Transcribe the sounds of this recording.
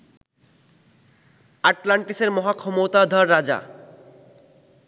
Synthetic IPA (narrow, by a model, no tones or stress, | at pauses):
aʈlaɳʈiseɾmɔɦakʰɔmot̪ad̪ʱɔɾːad͡ʑa̰